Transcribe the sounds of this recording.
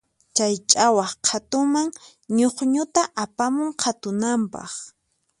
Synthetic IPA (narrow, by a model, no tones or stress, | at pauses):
t͡ʃajt͡ʃʼawɑχqʰat̪ʊmaŋ | ɲoχɲʊt̪aʔapamʊŋqʰat̪ʊnampɑ̰χ